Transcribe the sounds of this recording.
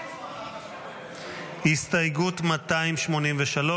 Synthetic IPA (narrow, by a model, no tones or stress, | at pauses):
histajɡutmataimʃmo̞nimveʃalo